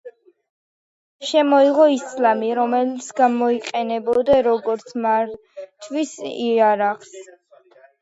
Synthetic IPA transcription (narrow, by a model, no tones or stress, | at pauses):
ʃɛmɔiʁɔislamiɾɔmɛlit̪sʰɡamɔiqʼɛnɛbɔd̪aɾɔɡɔɾt̪sʰmaɾ | t̪ʰwisiaɾaʁs